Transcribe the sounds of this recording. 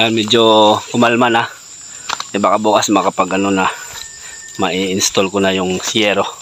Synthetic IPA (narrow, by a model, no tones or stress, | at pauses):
ajanmɛd͡ʒokʊmalmana | ɛbakɐbuːkasmakɐpaɡɐnonɐ | mɐʔiɪnst̪olkonajʊŋsɪɛːɾo